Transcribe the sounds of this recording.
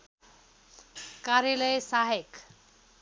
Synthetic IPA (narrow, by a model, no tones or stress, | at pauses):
kaɾjalʌjsaɦek